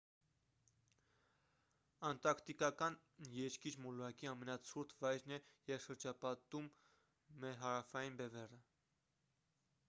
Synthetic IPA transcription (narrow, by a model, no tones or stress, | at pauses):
ɑnt̪ɑkt̪ikɑkɑn | jɛɾkiɾmɔluɑkiɑmɛnɑt͡sʰuɾt̪ʰvɑjɾnɛjɛvʃəɾd͡ʒɑpɑt̪umː | ɛɾɦɑɾɑfɑjinbɛvɛrə